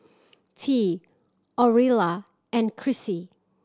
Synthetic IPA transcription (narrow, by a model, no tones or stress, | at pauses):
tʰi | ɔɹila | ɛ̃nkʰɹisi